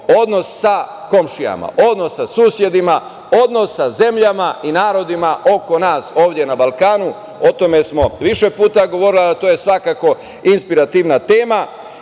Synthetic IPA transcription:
o̞d̪no̞sːa | ko̞mʃija̰ma̰ʔod̪nosːasuːsje̞d̪ima | o̞d̪no̞sːaze̞mʎamainaːɾo̞d̪imaʔo̞ko̞naːso̞ːʋd̪je̞nabalkaːnu | o̞t̪o̞me̞smo̞ʋiʃe̞puːt̪aɡo̞ʋo̞ɾiliat̪oːjesʋakako̞ | inspiɾat̪iʋnat̪e̞ːma

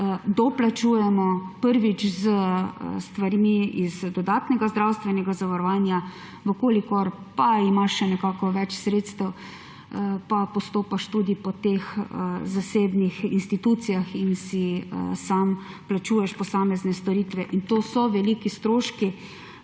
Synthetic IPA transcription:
əd̪ɔplat͡ʃuːjɛmɔpəɾʋit͡ʃzəst̪ʋaɾmiizd̪ɔd̪aːt̪nɛɡazd̪ɾawst̪ʋɛnɛɡazaʋaɾɔʋaːnja | ʋəkoːlikɔɾ | paimaʃːɛnɛkaːkɔʋɛt͡ʃsɾeːt̪st̪əw | papɔst̪oːpaʃt̪ud̪ipɔt̪exəzaseːbnixinst̪it̪ut̪sijaxinsiə̰sam | plat͡ʃuːjɛʃpɔsaːmɛznɛst̪ɔɾiːt̪ʋɛʔint̪oːsɔʋɛlikist̪ɾoːʃki

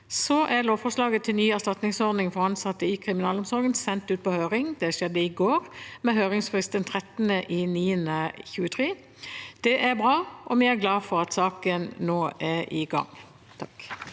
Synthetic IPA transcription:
sɔʔæloːʋfɔʂlɑːɡət̪ʰːɪlnyːæst̪ɑt̪nɪŋsɔɾd̪nɪŋfɔɾɑnsɑt̪ːəɪkʰʁɪmɪnɑːlɔmsɔɾɡənsɛnt̪ʉːt̪̚pʰɔhøːɾɪŋd̪ɛʃɛd̪ːəɪɡoːɾmɛɦøːʁɪŋsfʁɪst̪ənt̪ʰʁɛt̪ənəʔɪniːənəçʉːət̪ʰʁeː | d̪̥ɛʔæɾbʁɑːʔɔmiæɡlɑːfɔɾɑt̪sɑːkənːoːæɾʔɪɡɑ̰ŋ | t̪ʰɑk

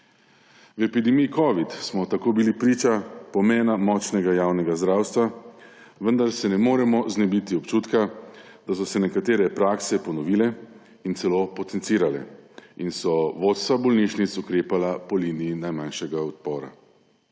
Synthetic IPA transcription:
wɛpid̪ɛmijikɔʋit̪smɔt̪akoːbilipɾiːt͡ʃapɔmɛːnamɔt͡ʃnɛɡajaːwnɛɡazd̪ɾaːwst̪ʋa | ʋənd̪aɾsɛnɛmoːɾɛmɔznɛbit̪iɔpt͡ʃuːt̪ka | d̪̥as̬ɔsɛnɛkat̪eːɾɛpɾaksɛpɔnɔʋiːlɛ | int̪sɛloːpɔt̪ɛnt̪siːɾalɛ̰insɔʋot̪st̪ʋabɔlniʃnit̪sukɾeːpalapɔliːniinajmanʃɛɡaɔt̪̚pɔːɾa̰

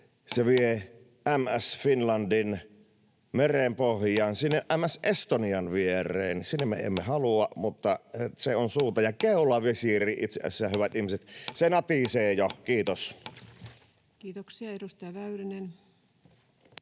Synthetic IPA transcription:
seʋie | ʔæmæsfinlɑndin | merempohjˑɑːnsinːeʔʔæmæsʔest̪oniɑnʋierˑḛːnsinːemmḛḛmːehɑluɑmut̪ːɑseonsuːt̪ɑjɑkeˑulɑʋiesiːrˑiːʔit̪seʔæ̰sːˑæhyʋæt̪ihmiset̪senɑt̪iseːjokiːt̪os | kiːt̪oksiɑedust̪ɑjɑʋæyrænen

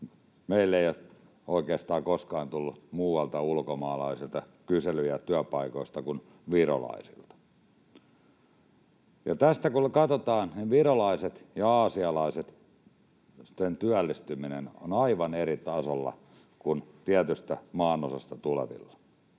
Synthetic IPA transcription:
meilːeio | oikeːst̪ɑːkoskɑːnt̪ulːut̪muːwɑlt̪ɑulkomɑːlɑ̰isilt̪ɑ | kyselyjæt̪yæpɑikoist̪ɑkun | ʋiro̰lɑ̰isḭlt̪ɑ̥ | jɑt̪æst̪ækunkɑt̪ot̪ɑːnniʋirolɑiset̪jɑɑːsiɑlɑiset̪ | t̪ːent̪yælːist̪yminḛno̰nɑiʋɑnerit̪ɑsolːɑ̰ | kunt̪iæt̪yst̪æmɑːnosɑst̪ɑt̪uleʋḭlːɑ̥

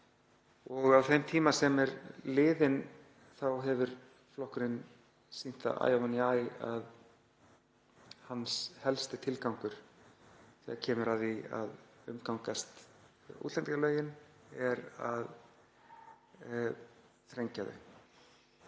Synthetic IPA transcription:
ɔɣawθejmt̪ʰiːmasɛmɛɾlɪːðɪn | θawɦɛvʏɾ̥ | flɔhkɾɪn | sin̥t̪a̰ʔa̰ːjawvanːiajað | hanshɛlst̪ɪt̪ʰɪlkawŋkʏɾ̥ | θɛ̰ːðacʰɛːmʏɾaðia̰ðʏ̰mkawŋkast̪ | ṵːt̪lɛnt̪kalœːɥjɪn | ɛɾa̰ð | θɾejɲcaðɪ̰

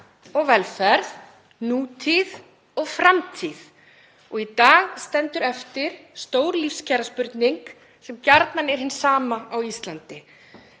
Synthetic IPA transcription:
ɔɣvɛlfɛɾð | nuːt̪ʰið | ɔɣfɾamt̪ʰið | ɔɣit̪aːɣst̪ɛnt̪ʏɾɛft̪ɪɾ̥st̪oːwɾlifscʰaːɾaspʏɾt̪niŋk | sɛmcaɾt̪nanɛɾ̥hɪnsaːmaawist̪lant̪ɪ

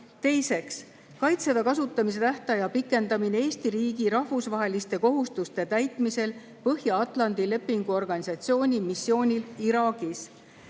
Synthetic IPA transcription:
t̪e̞jse̞ks | kɑjt̪se̞d̪ɑkɑs̬ut̪ːˑɑmis̬e̞t̪æht̪ɑjɑpikːˑe̞nd̪ɑmineeːst̪iɾiːɡiɾɑhvusvɑɦe̞list̪e̞ko̞ɦust̪ust̪e̞t̪æjt̪ˑmise̞l | pɤɦjɑɑt̪ˑlɑnd̪̥ile̞pːiŋɡ̥uo̞rɡ̥ɑnʲisɑt̪sio̞ːnʲimisːjo̞ːnʲiliɾɑːɡ̥is

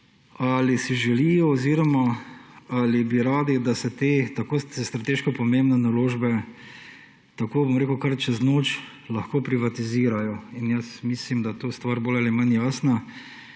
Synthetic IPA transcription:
alisiʒɛlijɔɔziɾɔma | alibiɾaːd̪id̪asɛt̪eːt̪akoːst̪ɾat̪eːʃkɔpɔmẽmbnɛnaloːʒbɛ | t̪akoːbomɾekʊkaɾt͡ʃɛznoːt͡ʃ | lɐxkoːpɾiʋat̪iziːɾajɔinjəsmislimd̪ajt̪oːst̪ʋaːɾboːlalimanjaːsna

